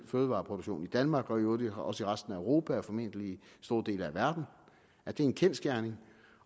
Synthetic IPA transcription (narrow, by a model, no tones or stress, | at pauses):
føːð̩ˠʋɑ̈ːpʰʁoɾuɡ̥ɕo̝̰ːnid̥ænmɑ̈ːɡ̥ɒ̽iodɒ̽səiʁasd̥n̩æøʁo̝ːpʰææɐfɒ̽me̝n̰d̥əlisd̥o̝ɐd̥e̝̰ːlæʋæɐd̥n̩ | æɐd̥e̝enkʰensɡ̥jæɐne̝ŋ